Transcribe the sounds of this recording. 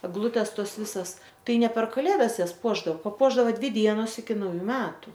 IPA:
ɛɡˈlˠʊtʲeːs ˈtoːs ˈʋʲɪsɐs ˈtɐɪ ˈnʲɛ pʲɛr kɐˈlʲeːdɐs ˈjɛs ˈpuɔʒdɐoː pɐˈpuɔʒdɐoː ˈdʲʋʲɪ ˈdʲiɛnoːs ɪkʲɪ nɐʊˈjuː ˈmʲæːtʊ

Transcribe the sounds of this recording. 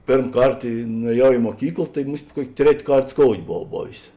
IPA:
ˈpʲeːrm ˈkɐrt ɪ nʊɛˈjɛʊ ɪ muɔˈkʲiːklˠ tɐɪ ˈmʊsʲtʲ ˈkuɔkʲ ˈtʲrʲɛtʲ ˈkɐrt skoːʊtʲ boːˈʋɐʊ ˈboːʋʲeːs

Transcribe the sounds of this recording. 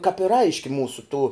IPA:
kɐp ɪr ˈɐɪʃʲkʲɪ ˈmuːsʊ tuː

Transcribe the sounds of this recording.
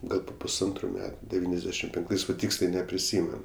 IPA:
ˈɡɐlˠ pʊ pʊsˈɐntrʊ ˈmʲæːtʊ dʲɛˈʋʲiːnʲɛzʲˌdʲæːʃʲɪm pʲɛŋkˈtɐɪs ʋɐ ˈtʲiːksʲlʲɛɪ nʲɛpʲrʲɪˈsʲiːmʲɛn

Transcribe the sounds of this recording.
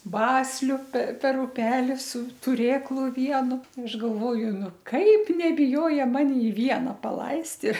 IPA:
ˈbɑːsʲlʲʊ pʲɛr pʲɛr ʊˈpʲæːlʲɪ sʊ tʊˈrʲeːklˠʊ ˈʋʲiɛnʊ ɐʃ ɡɐlˠˈʋoːjʊ ˈnʊ ˈkɐɪp nʲɛbʲɪˈjoːjɛ ˈmɑːnʲɪ ˈʋʲiɛnɐ pɐˈlˠɐɪst ɪ

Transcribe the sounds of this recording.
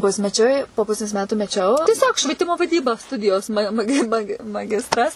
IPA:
ˈpʊsʲmʲɛˌt͡ʃʲʊɪ poː ˈpʊsʲeːs ˈmʲæːtʊ mʲɛˈt͡ʃʲɛʊ tʲiɛˈsʲoːk ʃʲʋʲiɛˈtʲɪmoː ʋɐˈdʲiːbɐ ˈstʊdʲɪjoːs mɐ mɐˈɡʲɪ ˈmɑːɡʲɪ mɐˈɡʲɪstrɐs

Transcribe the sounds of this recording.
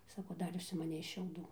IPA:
ˈsɑːkoː ˈdɐr ʊʃʲsʲɪmɐˈnʲɛɪ ʃʲɛʊˈduː

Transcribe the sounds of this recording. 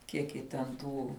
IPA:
ˈkʲiɛk jɪ tʲɛn ˈtuː

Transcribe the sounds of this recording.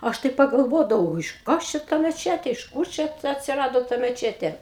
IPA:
ˈɐʃ tɐɪ pɐɡɐlˠˈʋoːdɐʋɐʊ ɪʃ ˈkɐs t͡ʃʲɛ tɐ mʲɛˈt͡ʃʲæːtʲeː ɪʃ ˈkuːr t͡ʃʲɛ tɐ ɐtʲsʲɪˈrɑːdoː tɐ mʲɛˈt͡ʃʲæːtʲeː

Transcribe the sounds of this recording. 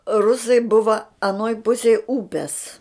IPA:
ˈrʊsɐɪ ˈbʊʋɐ ɐˈnoːj ˈpʊsʲɛj ˈuːpʲɛs

